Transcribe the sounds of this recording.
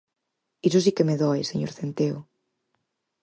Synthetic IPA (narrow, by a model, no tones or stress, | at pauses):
isos̬ikemeðɔjseɲo̰ɾθent̪eo